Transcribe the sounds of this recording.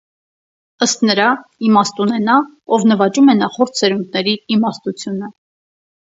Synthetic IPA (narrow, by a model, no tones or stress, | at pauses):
əst̪nəɾɑimɑst̪unɛnɑ | ɔvnəvɑt͡ʃumɛnɑχɔɾt̪ʰsɛɾund̪̚nɛɾiimɑst̪ut͡sʰjunə